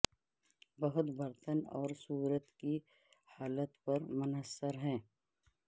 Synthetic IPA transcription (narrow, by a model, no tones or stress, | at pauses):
bɐɦʊt̪bɐɾt̪ənɔːɾsuːɾət̪ki | haːlət̪pɐɾmʊnəsːəɾɦɛ̃ː